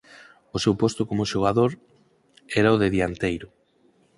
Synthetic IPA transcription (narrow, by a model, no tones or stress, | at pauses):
osewpost̪okomʊʃoɣ̞aðoɾ | ɛɾaoðeðiant̪ejɾʊ